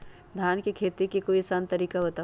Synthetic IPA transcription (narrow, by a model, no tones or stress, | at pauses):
d̪ʱjaːnkekʰeːt̪ikikoisaːnt̪ɐɾiːkabɐt̪aː